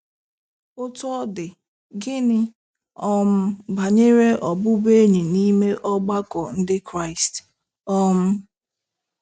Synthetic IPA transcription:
ʊ˦tɔ˦dɪ˨ | ɡɪ˦nɪ˦ | ɔ˦m̩˦ba˨ɲe˦ɾe˦ʔɔ˨bʊ˦be˦ɲi˨ni˦me˦ʔɔ˦ɡ͡ba˦kɔ˨n̩˦dɪ˦kɾa˦ɪ˨st | ɔ˦m̩˦

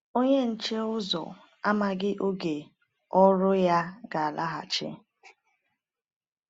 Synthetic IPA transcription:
o˦ɲe˦n̩˨t͡ʃe˦ʊ˦zɔ̰˨ | a˦ma˨ɡɪ˦ʔo˦ɡe˨ | ɔ˦ɾʊ˦ja˦ɡa˨a˨la˦ɦa̰˨t͡ʃɪ̰˦

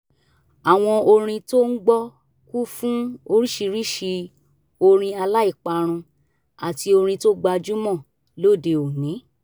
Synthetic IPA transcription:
a˨w̃ɔ̃˧o˧ɾ̃ĩ˧to˦n̩˦ɡ͡bɔ˦ | ku˦fũ˦o˧ɾi˦ʃi˧ɾi˦ʃi˧ | o˧ɾ̃ĩ˧a˧la˦i˦˨k͡pa˧ɾ̃ũ˧ | a˨ti˧o˧ɾ̃ĩ˧to˦ɡ͡ba˧d͡ʒu˦mɔ̃˦˨ | lo˦˨de˧o˨nĩ˨˦

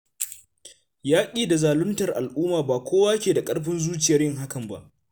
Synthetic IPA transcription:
jaː˦kʲʼiː˦˨da˨zaː˨lʊ˦ntɐ˨rʔa̰˨lʔuː˦maː˨baː˨kʷʰoː˦waː˦kʲeː˨da˨kʼɐ˦ɽɸɪ˦nzuː˦t͡ʃɪ˨jɐ˦rjɪ˦ŋɦa˦kɐ˨mba̰˦ʔ

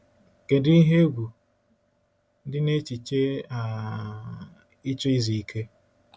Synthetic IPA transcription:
ke˨di˦i˦ɦe˦ɡʷu˨ | dɪ˦ne˦t͡ʃi˨t͡ʃe˦a˨ | ɪ˦t͡ʃo˦i˦zi˨i˨kʰe˦

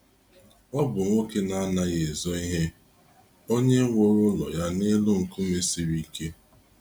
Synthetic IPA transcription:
ɔ˦bʊ˨ŋʷo˦ke˦na˦a˦na˦ɣe˨zɔ˦i˦ɦe˦ | o˦ɲe˦ŋʷo˦ɾʊ˦lɔ̰˨ja˦ne˦lʊ˦ŋ̩˨kʊ˦me˨si˨ɾi˦ke˦

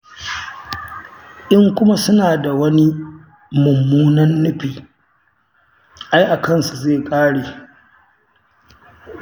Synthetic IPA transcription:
ʔɪ˦ŋkʷʊ˦ma˦sʊ˦naː˨da˨wɐ˦ni˦ | mʊ˨mːuː˦nɐ˦nːʊ˦ɸiː˨ | ʔa˦jʔa˨kɐ˦˨nsu˨zeː˦˨kʼaː˦ɽeː˨

